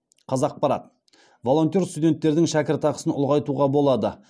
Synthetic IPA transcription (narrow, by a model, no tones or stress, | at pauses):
qʰɑzɑq̚pɑɾɑ̰t̪ | vo̞lˠo̞nt̪ʲerst̪ud̪ʲe̞nt̪ːe̞ɾd̪ɪŋʃækʲɪɾt̪ɑqə̥sənʊ̰lˠʁɑjt̪uʁɑbo̞lˠɑd̪ə